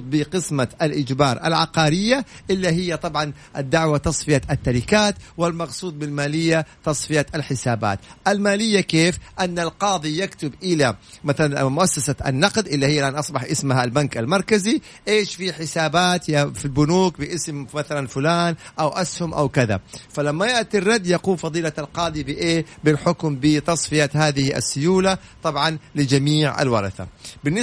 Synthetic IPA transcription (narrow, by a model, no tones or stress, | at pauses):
d̪̚ˤbɪqɪsmaʔalʔɪd͡ʒbɑːɾˤʔa̰lʕɑqɑːɾɪjːaʔɪlːaɦɪjːat̪ˤɑbʕɑnʔad̪ːaʕwat̪ɑsˤfɪjaʔat̪ːaɾɪkaːt̪wɪlmɑqsˤuːd̪̚ˤbɪlmaːlɪjːat̪ɑsˤfɪjaalħɪsaːba̰ːt̪ʔalmaːlɪjːakeːfʔanːalqɑːðˤijakt̪ʊbʔɪlamaθalanmʊʔasːasaʔa̰nːɑqd̪ʔɪlːahɪjːlʔanʔɑsˤbɑħʔɪsmhalbankalmɑɾˤkazi | ʔeːʃfiħɪsaːbaːt̪jafilbʊnuːk̚bɪʔɪsmmaθalanfʊlaːnʔawʔashʊmʔa̰wkaða̰falamːajɪʔt̪irˤːɑd̪jaquːmfɑðˤiːlaalqɑːd̪ˤibɪʔeːbɪlħʊkmbɪt̪ɑsˤfɪjat̪haːðɪhiʔa̰sːʊjuːla | t̪ˤɑbʕɑnlɪd͡ʒamiːʕa̰lwɑɾˤɑθa̰bɪnːɪ